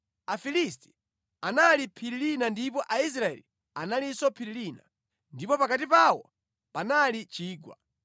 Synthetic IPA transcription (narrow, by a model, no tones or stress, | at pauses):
afilisti̥ | analipʰiɾilinandipɔʔais̬ɾaɛ̰li | analisɔpʰiɾilina̰ | ndipɔpakatipawɔ | panalit͡ʃiːɡwa̰